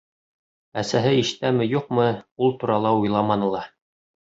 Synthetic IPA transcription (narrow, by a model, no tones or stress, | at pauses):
æsæɦɘiʃt̪æmɘjuq̚mɤulˠt̪uɾɑlˠɑujlˠɑmɑnɤ̆lˠɑ